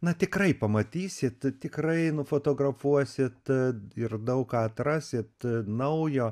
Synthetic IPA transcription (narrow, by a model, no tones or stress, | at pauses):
nɐt̪ʲɪkrɐɪpɐmɐt̪ʲiːsʲɪt̪t̪ʲɪkrɐɪnʊfoːt̪oːɡrɐfuɔsʲɪt̪ɪrd̪ɐʊkkɑːɐt̪rɑːsʲɪt̪nɐʊjoː